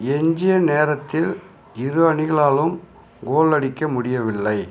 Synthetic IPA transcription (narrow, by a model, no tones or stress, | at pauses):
ɛɲd͡ʒɪjɐneːɾɐt̪ːɪl | ɪɾɯʋɐnɪɣɐɭaːlɯm | ɡoːɭɐɽɪkːɐmʊɽɪjɐʋɪlːɐɪ